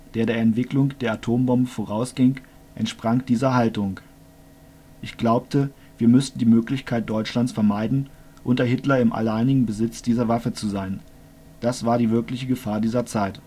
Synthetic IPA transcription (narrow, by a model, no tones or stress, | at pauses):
d̥eːɐɾeːɐɛntv̥ɪklʊŋd̥eːɐatʰoːmbɔmbəfoʁaʊsɡ̥ɪŋ | ʔɛ̰ntʃpʁ̥aŋd̥iːzɐɦaltʊŋ | ʔɪçɡ̥laʊptə | viːɐmʏstn̩diːmøːklɪçkʰaɪt̚d̥ɔʏt͡ʃlant͡sfɛɐmaɪdn̩ | ʔʊntɐhɪtlɐɪmʔa̰laɪnɪɡŋ̩bəzɪt͡sd̥iːzɐvafət͡suzaɪn | d̥asv̥aːɐɾiːvɪɐklɪçəɡəfaːɐdiːzɐt͡saɪt